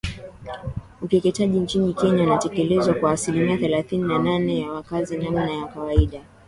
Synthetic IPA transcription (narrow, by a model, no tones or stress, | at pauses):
ukɛkɛtaʄint͡ʃinikɛɲanatɛkɛlɛzwakwaːsilimiaθɛlaθininananɛjawakazinamnajakawaiɗa